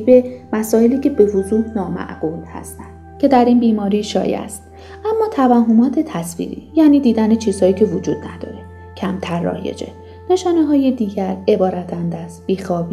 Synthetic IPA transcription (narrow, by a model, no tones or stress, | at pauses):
bemæsɒːeliːcʰe̞be̞vozuːhnɒːmæ̰ʔɡ̥uːlhæ̰st̪ænd̪̥cʲʰe̞d̪æɾiːnbiːmɒːɾiːʃɒ̰ːjæ̰st̪̚ | ʔæmːɒːt̪ʰævæɦomɒːt̪ʰe̞t̪ʰæsvḭːɾḭːjæːniːd̪iːd̪æne̞t͡ʃʰiːz̥hɒːiːcʰe̞vod͡ʒuːd̪̥næd̪ɒ̰ːɾe̞ | cʰæmt̪ʰæɾːɒ̰ːje̞̰d͡ʒe̞̰ | ne̞ʃɒːneɦɒːjed̪iːɟæɾe̞bɒːɾæt̪ʰænd̪æst̪̚b̥iːxɒːbiː